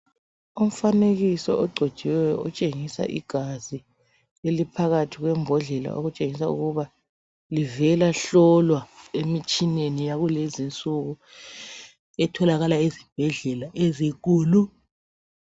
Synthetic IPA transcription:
um̩faneɣisɔʔɔɡ͡ǀʱɔd̥ʒ̥ʱɛwɛjɔ̰ɔt͡ʃʼeŋisa̰ʔḭɡ̥ʱazi | elipʰaɣatʰiɣwɛmbʱɔɮɛla̰ʔo̰ɣut͡ʃʼeŋisaṵɣuβa | livɛlaɬɔlwaemit͡ʃʼinenijaɣulezint͡sʼuɣu | ɛtʰɔlaɣalaezib̥ʱɛɮɛlaʔezik̬uːlu

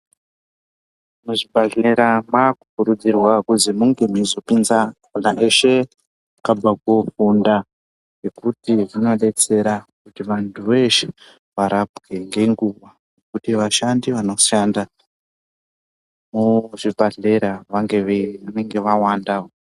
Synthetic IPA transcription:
muʐibʱaɮe̞ɾamakukuɾud͡zirwakuzimuŋɡe̞mizopinzakunaʔeʃe̞ | kabakofunda | jekutiʐino̞ɗe̞t͡se̞ɾakutiʋantʰuʋeʃe̥ | ʋaɾʔabɡe̞ŋɡe̞ŋɡuʋa | nekutiʋaʃandiʋano̞ʃanda | muʐibʱaɮe̞ɾaʋaŋɡeʋeʋane̞ŋɡe̞ʋawandao

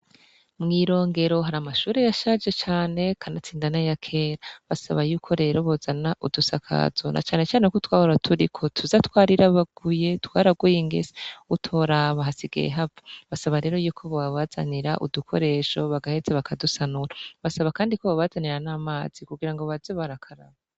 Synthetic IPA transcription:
mŋiːɾo̞ːŋɡe̞ɾo̞ɦaɾamaʃuːɾe̞jaʃad͡ʒe̞t͡ʃaːne̞kʰanat͡siːndanajakʰeːɾaβasaβajuːkʰo̞ɾe̞ːɾo̞βozanaʔudusakʰa̰zonʔa̰t͡ʃaːne̞t͡ʃaːnekotwaːhoɾatʰuɾikʰo̞tʰuzatwaːɾiɾaβaɡ̥uje̞twaːɾaɡwujiŋɡḛzeutʰo̞ɾaβahasiɡḛjḛɦavḁβasaβaɾe̞ːɾo̞juːkʰo̞βaaβaza̰niɾa̰ʔṵdukʰo̞̰ɾe̞ːʃo̞βaɡahe̞zeβakʰadusanuɾaβasaβakaːndikoβaβazaniɾanaːmaːz̥ikuɡiɾaŋɡo̞βazeβaɾakʰaɾa̰βa

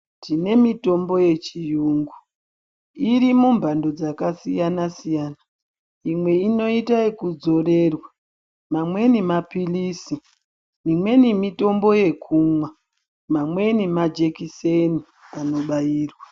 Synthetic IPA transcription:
tine̞mito̞mbo̞je̞t͡ʃijuːŋɡu | iɾimumbʱando̞d͡zakasijanasijaːna | imwe̞ino̞itaikud͡zo̞re̞rwa | mamwe̞nimapilisi | nimwe̞nimito̞mbo̞je̞kʰumwa | mamwe̞nimad͡ʒekiseni | ano̞ɓajiːrwa

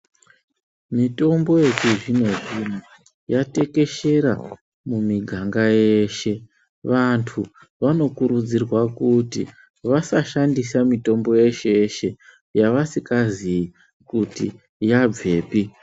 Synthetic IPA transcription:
mito̞mbo̞je̞kuʐino̞ʐina | jate̞ke̞ʃe̞ɾa̰ | mumiɡʱaŋɡaje̞ʃe̞ | ʋantʰu | ʋano̞kuɾud͡zirwakutḭ | ʋasaʃandisamito̞mbo̞je̞ʃe̞ʃe̞ | jaʋasikazii | kutḭ | jab͡ve̞ːpi

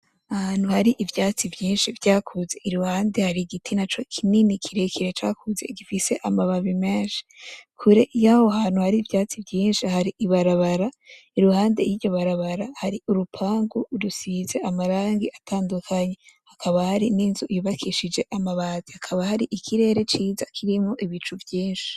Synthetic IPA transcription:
ahan̥huhaɾiʔivjaːt͡sivjiːnʃivjaːkʰuze̞ʔiɾuhaːnde̞haɾiɡitʰinat͡ʃo̞kʰininikʰiɾe̞kʰiɾet͡ʃaːkʰuze̞̰iɡifise̞ʔamaβaβime̞ːnʃi̥kʰuɾe̞ʔjaho̞ɦaːn̥uhaɾiːvjaːt͡sivɟiːnʃihaɾiʔiβaɾaβaɾa | iɾuhaːnde̞̰jiɟo̞βaɾaβaɾahaɾiuɾupʰaːŋɡuɾusiize̞ʔamaɾaːŋɡiʔatʰaːndukʰaɲe̞hakʰaβahaɾininzuʔijuβakʰiʃid͡ʒe̞ʔamaβaːzihakʰaβahaɾiʔikʰiɾe̞ːɾe̞t͡ʃiːzakʰiɾimŋo̞ʔiβit͡ʃuvjiːnʃi̥

